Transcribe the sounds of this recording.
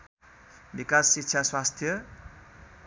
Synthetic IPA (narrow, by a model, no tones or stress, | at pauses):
bikasːikt͡ʃʰaswast̪ʰjʌ